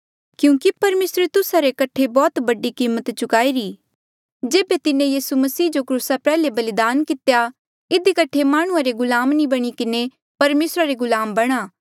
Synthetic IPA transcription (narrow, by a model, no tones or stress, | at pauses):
kjũːkipɐɾmeːsɾet̪ʊsaɾekɐʈʰebɔːt̪bɐɖikiːmːət̪t͡ʃʊkaːiɾiː | d͡ʒeːbet̪ɪnẽjiːsumɐsiːd͡ʒokɾuːsapɛːlebɐlɪd̪aːnkɪt̪eja | ɪd̪ikɐʈʰːemaːɽ̃ʊ̃ãɾeɡʊlaːmnĩbɐɽ̃ikɪne | pɐɾmeːsɾaɾeɡʊlaːmbɐɽ̃aː